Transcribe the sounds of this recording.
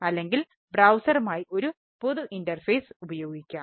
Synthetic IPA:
ɐlːe̞ŋɡil | brɐwsɐɾɐmaːjiʔo̞ɾu | poðuʔindɐrfeːsubɐjo̞ːɡikʲːaː

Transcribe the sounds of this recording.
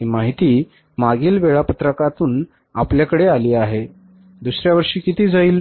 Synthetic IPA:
imaɦit̪iː | maɡiːlʋeɭapət̪ɾəkat̪uːn | apljakəɽealiːaɦe | d̪usɾjaʋəɾʂiːkit̪iːd͡zaiːl

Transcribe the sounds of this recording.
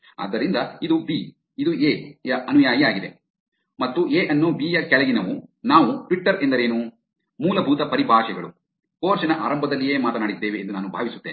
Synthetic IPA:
a̰ːd̪ːɐɾind̪ɐid̪ubiː | id̪ueːjɐɐnujaːjiaːɡid̪e̞̰ | mɐt̪ːueːʔɐnːuːbiːjɐkɛlɐɡinɐʋunaːʋuʈʋiʈːɐɾend̪ɐɾe̞ːnu | muːlɐbʱuːt̪ɐpɐɾibʱaːʂɛɡɐɭṵ | poːɾʃɐnɐʔa̰ːɾɐmbʱɐd̪ɐlːijeːmaːt̪ɐnaːɽid̪ːe̞ːʋeːnd̪unaːnubʱa̰ːʋisu̥t̪ːeːn

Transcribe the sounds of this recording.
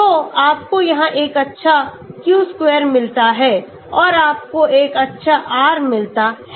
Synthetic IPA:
oːaːp̚kojɐɦãʔeːkɐtːʃʰa | kjuːskwɛːɾmɪlt̪aɦɛː | ɔːɾaːp̚koeːkɐtːʃʰaʔaːɾmɪlt̪aɦɛ

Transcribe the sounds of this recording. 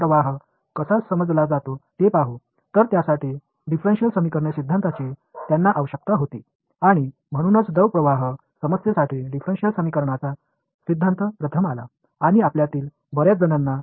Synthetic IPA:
ɾəʋaɦ | kəsat͡ssəməd͡zlad͡zat̪ot̪epaɦu | t̪əɾt̪jasaʈi | ɖifɾenɕiəlsəmikəɾɳjesid̪ʱːant̪at͡ɕiːt̪janːaʔaʋəɕək̚t̪aɦot̪i | aɽ̃i | m̤əɽ̃unət͡sd̪əʋpɾəʋaɦ | səməsjəsaʈʰiːɖifɾẽnɕjəlsəmikəɾɳat͡sa | sid̪ʱːãnt̪əpɾət̪ʰəmala̰ | aɽ̃iapljat̪iːl | bəɾjat͡sd͡zənanːa

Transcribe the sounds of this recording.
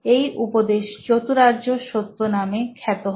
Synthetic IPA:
ejʔupod̪eʃd͡ʑot̪uɾaʑoʃot̪ːonamekʰɛt̪oɦ

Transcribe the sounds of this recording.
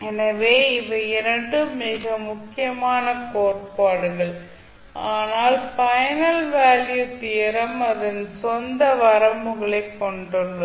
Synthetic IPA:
ɛnɐʋeːɪʋɐɪɾɐɳɖɯmɪɣɐmʊkːɪjɐmaːnɐkoːr̚paːɽɯɣɐɭ | aːnaːlpɐjɐnɐlʋaːljut̪ɪjɐɾɐmɐðɐnsɔnd̪ɐʋɐɾɐmɯɣɐɭɐɪkːɔɳɖɯɭːɐ

